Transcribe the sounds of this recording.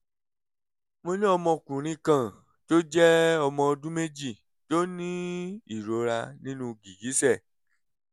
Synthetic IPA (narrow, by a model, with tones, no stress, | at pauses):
mo˧nĩ˦ɔ˧mɔ̃˧kũ˨ɾ̃ĩ˧˦kã˦˨ | to˦d͡ʒɛ˦ɔ˧mɔ̃˧o˧dũ˦me˦d͡ʒi˦˨ | to˦nĩ˦i˨ɾo˨˦ɾa˧nĩ˦nũ˧ɡi˨ɡi˨˦sɛ˦˨